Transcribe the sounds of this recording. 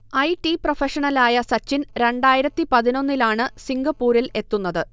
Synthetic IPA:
ɐjʈiprofeʂɐɳɐlaːjɐsɐt͡ɕːinɾe̞ɳɖaːjiɾɐt̪ːipɐðino̞nːilaːɳɨsiŋɡɐpːuːɾile̞t̪ːunːɐðɨ

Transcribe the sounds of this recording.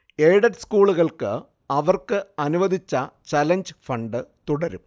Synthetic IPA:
eːɽɐʈskuːɭuɣɐɭkɨ | ɐʋɐrkɨɐnuʋɐd̪ʱit͡ɕːɐt͡ɕɐlɐɲd͡ʑfɐɳɖɨt̪uɽɐɾum

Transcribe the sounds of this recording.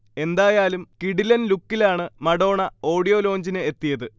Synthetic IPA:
e̞nd̪aːjaːlumkiɽilɐnlukːilaːɳɨmɐɽo̞ːɳɐo̞ːɽijo̞ːlo̞ːɲd͡ʑinɨet̪ːijɐðɨ

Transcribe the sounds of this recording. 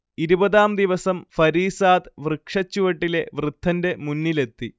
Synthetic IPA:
iɾubɐðaːmd̪iʋɐsɐmfɐɾiːsaːd̪ʋrɨkʂɐt͡ɕːuʋɐʈːile̞ʋrɨd̪ʱːɐnde̞munːile̞t̪ːi

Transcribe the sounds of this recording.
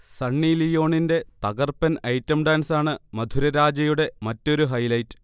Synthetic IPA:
sɐɳːilijo̞ːɳinde̞t̪ɐɣɐrpɐnɐjtːɐmɖaːnsaːɳɨmɐd̪ʱuɾɐɾaːd͡ʑɐjuɽe̞mɐtːo̞ɾuɦɐjlɐjtːɨ̥

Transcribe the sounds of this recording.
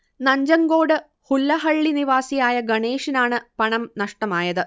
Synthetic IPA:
nɐɲd͡ʑɐŋɡo̞ːɽɨ | hulːɐɦɐɭːiniʋaːsijaːjɐɡɐɳeːʂinaːɳɨpɐɳɐmnɐʂʈɐmaːjɐðɨ

